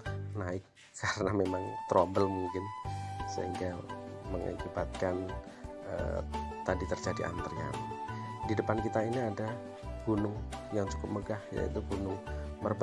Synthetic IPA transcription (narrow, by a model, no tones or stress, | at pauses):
naɪkʰː | aɾənamemaŋt̪ɾʔombəlmuŋkɪnsə̰ɦiŋɡaməŋa̰kibat̪̚kan | ə̰t̪adit̪ərd͡ʒadiʔa̰nt̪əria̰mdidəpankit̪ainiada | ɡ̥unʊŋjaŋt͡ʃu̥kʊp̚məɡahja̰ḭt̪uɡunʊŋmərb